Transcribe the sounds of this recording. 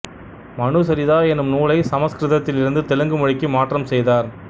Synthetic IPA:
mɐɳɯsɐɾɪðaːɛnɯmnuːlɐɪsɐmɐskɾɪðɐt̪ːɪlɪɾɯnd̪ɯt̪ɛlɯŋɡɯmɔɻɪkːimaːʈrɐmsɛjðaːɾ

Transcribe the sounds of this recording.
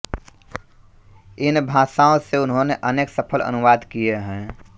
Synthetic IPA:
ɪnbʱãːsaːõseʊnɦõneʔəneːksəpʰələ̰nʊʋaːd̪kijeɦɛ̃ː

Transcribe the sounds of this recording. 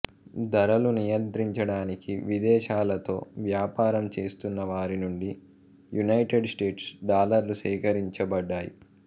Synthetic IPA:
d̪ɐɾɐlunijɐnt̪ɾiɲt͡ʃɐɽaːnikiʋid̪ɛːʃaːlɐt̪o̞̰ːʋjaːpaːɾɐmt͡ʃe̞ːst̪unːɐʋaːɾinuɳɖi | junɐjʈeɖsʈe̞ːʈsɖaːlɐɾlusɛːkɐɾiɲt͡ʃɐbɐɖːaːjḭ

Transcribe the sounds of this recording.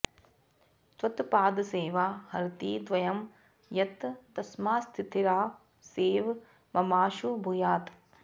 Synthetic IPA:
t̪ʋɐt̪paːd̪seːʋaːhɐɾt̪iːd̪ʋɐjɐm | jɐt̪ːɐsmaːst̪ʰit̪ʰiɾaː | seːʋ | mɐmaːʃubʱujaːt̪

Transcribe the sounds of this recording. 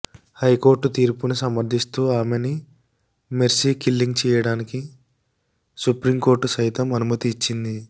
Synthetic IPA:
hɐjko̞ːɾʈt̪iːɾpunusɐmɐɾd̪ʱist̪uːaːmeni | meɾsiːkilːiŋɡt͡ʃɛːjɐɽaːniki | supɾimko̞ːɾʈusɐjt̪ɐmɐnumɐt̪iːt͡ʃːind̪i

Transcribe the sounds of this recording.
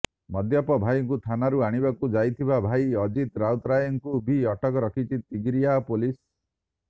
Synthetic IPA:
mɔd̪japɔbʱajɔŋkut̪ʰanaɾuaɽ̃ibakud͡ʒajt̪ʰibabʱajɔd͡ʒit̪ɾawt̪ɾajɔŋkubʱiɔʈɔkɔɾɔkʰit͡ʃʰit̪iɡɾijapolis

